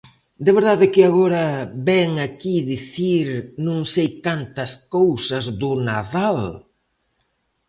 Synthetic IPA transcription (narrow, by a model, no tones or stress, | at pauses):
d̪eβeɾðaðɪkɪaɣoɾɐβɛŋakiðiθiɾnũŋsejkant̪ɐskowsɐzðʊnaðal